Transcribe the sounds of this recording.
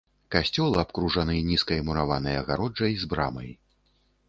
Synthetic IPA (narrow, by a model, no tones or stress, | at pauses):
kasʲt͡sʲɔlˠɨapkɾuʐanɨnʲiskɐɛmuɾavanɨjɐɣaɾɔd͡ʐɐjzbɾa̰mɐ̰j